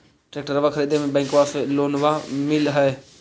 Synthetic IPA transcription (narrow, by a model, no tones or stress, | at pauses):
ʈɾeːk̚ʈəɾʋakʰəɾiːd̪emẽbɛ̃ːŋkʋaːfeloːnʋamɪlɦɛe